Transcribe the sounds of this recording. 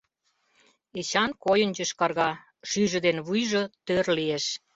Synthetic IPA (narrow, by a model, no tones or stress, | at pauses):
et͡ɕɑnkojə̆nd͡ʑə̆ʃkɑrɣɑ | ʃyʒə̆d̪enβujʒŏt̪ørlieʃ